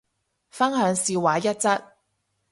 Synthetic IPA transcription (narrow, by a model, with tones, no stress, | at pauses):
fɐ˥nɦœː˨˧ŋsiː˧waː˨˥jɐ˥t̚t͡sɐ˥t̚